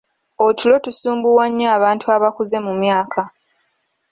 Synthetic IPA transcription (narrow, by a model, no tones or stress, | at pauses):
otʰulo̞tusuːmbuwaɲːaːβaːntʰuaβakuze̞mumjaːkʰa